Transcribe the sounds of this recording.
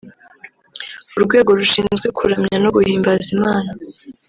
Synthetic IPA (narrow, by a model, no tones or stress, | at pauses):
uɾɡwe̞ːɡo̞ɾuʃiːnnzɡwe̞kʰuɾamɲanuβuhiːmbazimaːna